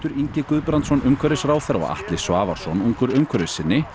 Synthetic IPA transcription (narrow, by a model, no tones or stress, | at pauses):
t̪ʏɾiɲcɪkʏðpɾant̪sɔnʏmkʰvɛɾɪsɾaːwθɛɾɔ̰ɣa̰ht̪lɪsvaːvaɾ̥sɔnuŋkʏɾʏmkʰvɛɾɪsɪnːɪ